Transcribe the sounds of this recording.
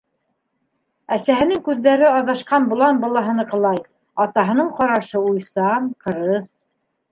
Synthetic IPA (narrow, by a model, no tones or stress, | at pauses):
æsæɦɘ̆nɘŋkʉðːæɾɘɑðɑʃqɑnbŭlˠɑnbɤ̆lˠɑɦɤ̆nɤqɤ̆lˠɑj | ɑt̪ɑɦɤ̆nɤɴqɑɾɑʃɤujsɑnqɤ̆ɾɤθ